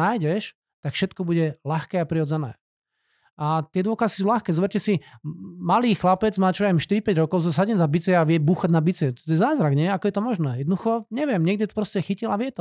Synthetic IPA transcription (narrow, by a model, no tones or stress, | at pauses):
aːjɟɛʃ | t̪akfʃɛt̪kɔbuɟɛlaxkɛːapɾiɔd͡zɛnɛ̰ː | ʔat̪ɪɛd̪ʋɔkazikisuːlaxkɛːzɔʋɛɾcɛsimaliːxlapɛd͡zmaːt͡ʃɔʋɛɛmʃt̪iɾipɛɟɾɔkɔʊs̬ɔsaɟɛmzabit͡sɛaʋɪɛbuːxaɟnabit͡sɛt̪ɔt̪ɔjɛzaːzɾaɡɲɛakɔjɛt̪ɔmɔʒnɛːjɛd̪nd̪uxɔɲɛʋɪɛmɲɪɛɡd̪ɛt̪ɔ̥pɾɔscɛxicilaʋɪɛt̪ɔ